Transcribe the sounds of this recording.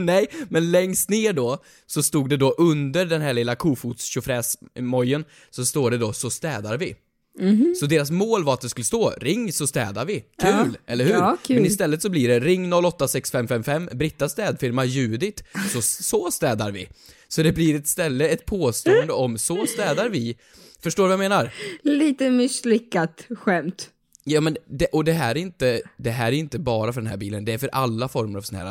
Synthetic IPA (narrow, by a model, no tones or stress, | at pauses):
nɛjmɛnlɛŋst̪neːɖɔ | sɔst̪uːɡ̚d̪ɛd̪ɔʔɵnd̪əɾɖɛnɦæːɭɪlːakʰuːfuːt̪sɕʊfɾɛːsmɔjːən | sɔst̪oːɖɛd̪ɔsɔst̪ɛːd̪aɾvɪ | sɔd̪eːɾas̬moːlvaɾat̪̚d̪ɛskɵlːəst̪oːɾɪŋːsɔst̪ɛ̰ːd̪aɾvɪkʰʉ̟ːlɛlːəɾhʉ̟ːmɛnɪs̬t̪ɛlːət̪sɔbliɖɛɾɪŋːnɔlːɔt̪ːasɛksfɛmfɛmfɛmːbɾɪt̪ːast̪ɛːd̪fɪɾmajʉ̟ːd̪ɪt̪sɔsɔst̪ɛːd̪aɾvɪ̰ | sɔd̪ɛblɪɾɛt̪st̪ɛlːəɛt̪̚pʰoːst̪uːənd̪əɔmsɔst̪ɛːd̪aɾvɪ | fœʂʈoːɾvjameːnaɾliːt̪əmɪslɪkːat̪ɧɛmt̪ | jɑːmɛnd̪ɛʔɔd̪ɛɦæːɾæɾɪnt̪əd̪ɛɦæːɾæɾɪnt̪əbɑːɾafœɖɛnɦæ̰ɾbiːlənd̪ɛæɾfœɾʔalːafɔɾməɾa̰v̥sɛnæ̰ɾa̰